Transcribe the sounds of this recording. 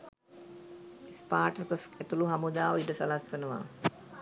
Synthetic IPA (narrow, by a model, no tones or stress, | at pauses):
ispaːʈəkəset̪uluɦamud̪aːʋəiʈəsɐlaskənəʋa̰